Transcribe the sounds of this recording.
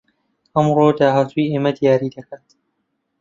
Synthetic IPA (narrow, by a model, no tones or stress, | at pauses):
ʔɐmɾoːd̪aːhat̪ʰujʔeːmɐd̪ijaːɾiːd̪ɐkʰaːt̪